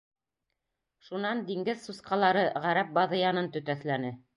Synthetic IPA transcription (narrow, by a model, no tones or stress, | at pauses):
ʃunɑnd̪iŋɡɘðsusqɑlˠɑɾɤʁæɾæp̚bɑðɤjɑnɤnt̪ɵ̆t̪æθlænɘ